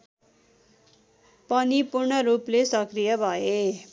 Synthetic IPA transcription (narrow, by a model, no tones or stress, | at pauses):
pʌnipurɳʌɾuplesʌkrijʌbʱʌe